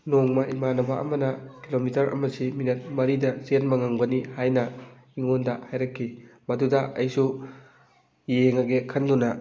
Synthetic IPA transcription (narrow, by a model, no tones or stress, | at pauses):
noŋmɐʔimanɐbɐʔɐ̰mɐnɐkilomitɐɾʔɐ̰mɐsiminet̚mɐɾidɐsenmɐŋaŋbɐnihajnɐ | iŋondɐhajɾɐkʰːimɐdudɐɐjsu | jeŋɐɡekʰɐndunɐ